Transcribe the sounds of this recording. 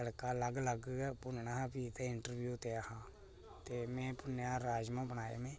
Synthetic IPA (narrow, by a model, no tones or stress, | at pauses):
əɽkaːləɡləɡɡːpʊnɳaːpiːt̪eːɪɳʈəɾʋjuːt̪eːəhãː | t̪eːmɛ̃ːpʊnjãːɾaːd͡ʒmãːbənaːḛːmẽː